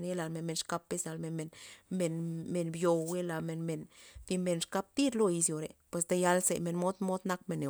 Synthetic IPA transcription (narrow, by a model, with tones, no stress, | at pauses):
ne˦la˨lme˨nme˨nʂka˧˦pːe˧˦sa˧lme˨nme˨nme˨nme˨nbjo˨we˦la˨me˨nme˨nfi˧me˧˨nʂka˦p̚t̪i˦d̪lo˧i˧sjo˨ɾḛ˨pwe˨s̬d̪a˧ja˧˦lsḛ˨me˨nmo˦d̪mo˦d̪na˦k̚me˧˨nːe˨